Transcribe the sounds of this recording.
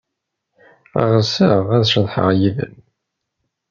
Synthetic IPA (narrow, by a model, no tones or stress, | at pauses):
æ̰ʁəsəʁæðʃəðˤħə̰ʁjiðə̰n